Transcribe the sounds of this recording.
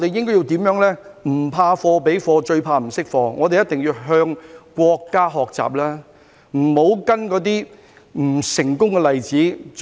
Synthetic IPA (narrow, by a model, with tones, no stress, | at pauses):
ɔ˨˧t̪e˨jɪ˥ŋkɔː˥ji˧wt̪iː˨˥mjœː˨˥ŋlɛː˥ | m̩˨˩pʰaː˧fɔː˧pe˨˥jfɔː˧t͡ʃɵ˧ɥpʰaː˧m̩˨˩sɪ˥k̚fɔː˧ŋɔː˨˧t̪e˨jɐ˥t̪ɪ˨ŋjiː˧ɦœː˧ŋkʷɔː˧kːaː˥ɦɔː˨k̚t͡sa̰ː˨p̚laː˥ | m̩˨˩ho˨˥wkɐ˥nkɔː˨˧t̪̬iː˥ | m̩˨˩sɪ˨˩ŋkʊ˥ŋkɛ˧lɐ˨jt͡siː˨˥